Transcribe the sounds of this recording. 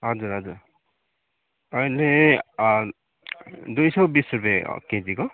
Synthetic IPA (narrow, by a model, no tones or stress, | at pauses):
ɦʌd͡zuɾɦʌd͡zuɾ | ʌjle | d̪ujsʌwbisuɾbḛkeziko